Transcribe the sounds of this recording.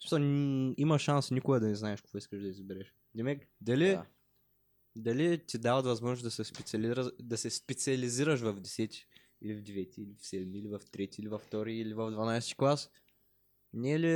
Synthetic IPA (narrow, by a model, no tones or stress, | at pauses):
smi̥sɛimɐʃʃansnikʊɡəd̪ɐnɛznaɛʃkovɔiskəʒd̪ɐizɐbɛɾɛʃ | d̪ɛmɛkd̪ɐli | d̪ɐlit̪ʲid̪avɐt̪vɐzmɔʒnsd̪ɐsɛspɛt̪ʲɐlɾəd̪ɐsɛspɛt̪sʲiɐliziɾəʃvɐvd̪ɛsɛt̪ʲi̥ | ilivd̪ɛvɛt̪ʲiːlifsɛd̪miilivɐft̪ɾɛt̪ʲiilivɐft̪ɔɾiilivɐvd̪vɐnajsɛ̥t̪ʲi̥klˠas | nɛli